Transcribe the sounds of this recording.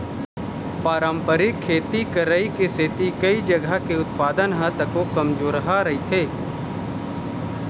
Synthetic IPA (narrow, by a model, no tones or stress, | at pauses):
paːɾəmpəɾɪkʰːeːt̪ikəɾəikeset̪ikɐid͡ʒəɡʱakeʊt̪paːd̪ənɦə̃t̪ɐkokɐmd͡ʒoːɾɦaɾɐɦit̪ʰeː